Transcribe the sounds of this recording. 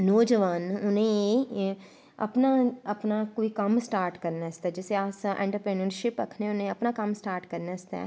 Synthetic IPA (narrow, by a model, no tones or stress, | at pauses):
noːd͡ʒəʋaːnʊnɦẽ | ɐ̰pnaɐpnakoːikɐmsʈaːɾʈkɐɾnast̪aːd͡ʒɪseaːsaʔɛ̰̃ːɳʈəɾpɾeːnəɾʃɪpɐkʰnɛ̃ʊnẽɐpnakɐmsʈaːɾʈkɐɾnast̪a̰ː